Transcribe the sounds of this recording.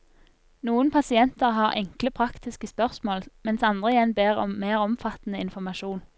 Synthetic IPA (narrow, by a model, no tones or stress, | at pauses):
nuːənpʰɑsɪɛnt̪əʁɦɑːʁʔɛ̰ŋkləpʰʁɑkt̪ɪskəspœʁsmoːlmɛnsɑnd̪ʁəɪjɛnbeːʁɔ̰mːeːʁɔmfɑt̪n̩əɪnfɔmɑʃuːn